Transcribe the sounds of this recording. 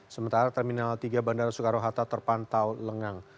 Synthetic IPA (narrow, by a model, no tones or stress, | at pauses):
səmənt̪aɾat̪ɛrminalt̪iɡabandaɾasukaɾoɦat̪at̪ərpant̪awləŋaŋ